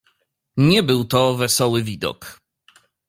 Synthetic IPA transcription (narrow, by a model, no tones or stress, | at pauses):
ɲɛbɘwt̪ɔvɛsɔwɘvʲid̪ɔ̰k